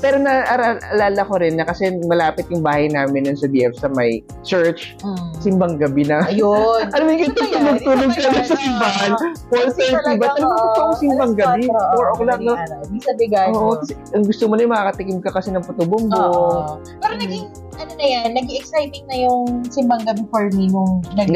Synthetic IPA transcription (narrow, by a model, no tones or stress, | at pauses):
pɛːɾonɐʔɐɾalʔɐlaːlɐkoɾɪnːɐkɐsɛmɐlaːpɪt̪̚jʊŋbaːhɐjnaːmɪnːʊnsɐd̪iʔɛfsɐmɐj | t͡ʃɛɹt͡ʃ | sɪmbɐŋɡɐbɪnɐjoɐnomɪŋkɪt̪ɐɡt̪uːloɡ̚t̪uːloɡ̚kɐnɐsɐsɪmbaɦanpolsɛɹt̪ibɐt̪ɐlɐmɐkɐʔʊŋsɪmbɐŋɡɐbipoɹʔoklɐknomisɐbɪɡaoʔokɐsɛʔɐŋɡʊst̪omonɐjʊmɐkaːkɐt̪ɪkɪmkɐkɐsɛnɐŋpɐt̪obʊmbo | pɛːɾonɐɪ | ɐnonɐjanːɐɡiɛksajt̪ɪŋ̚nɐjʊŋsɪmbɐŋɡɐbɪfɐɹminʊŋnɐ